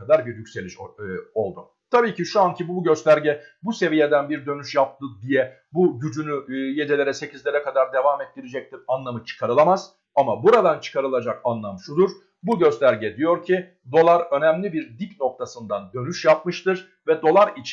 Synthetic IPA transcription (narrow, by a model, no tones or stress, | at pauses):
ad̪aɾbiɾjycʲse̞lʲiʃo̞lˠd̪u | t̪ʰabiːciʃuancʰibuɟø̞st̪ʰæɾɟɛbuse̞vijed̪ænbiɾd̪ø̞nyʃjap̚t̪ɯd̪ijɛ | buɟyd͡ʒynyje̞d̪ɛlʲe̞ɾɛse̞cʰizlʲeɾɛkʰad̪aɾd̪e̞vaːmɛt̪ːiɾed͡ʒɛc̚t̪ʰiɾanlˠamɯt͡ʃʰɯ̥kʰaɾɯlˠamaz̥ | amabuɾad̪ant͡ʃʰɯ̥kʰaɾɯlˠad͡ʒakanlˠamʃud̪uɾ̥ | buɟø̞st̪ʰæɾɟɛd̪ijo̞ɾcʰi | d̪o̞lˠaɾø̞nɛmlʲibiɾd̪icno̞k̚t̪ʰasɯnd̪and̪ø̞nyʃjap̚mɯʃt̪ʰɯɾ̥ | vɛd̪o̞lˠaɾit͡ʃʰ